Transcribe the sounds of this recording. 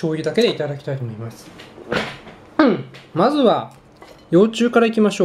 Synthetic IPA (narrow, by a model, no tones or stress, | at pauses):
o̞ːjid̪ake̞d̪e̞it̪ad̪akʲi̥t̪ait̪o̞mo̞imasɨ̥ | mazɨβa | jo̞ːt͡ɕɨːkaɾaikʲimaɕo̞ː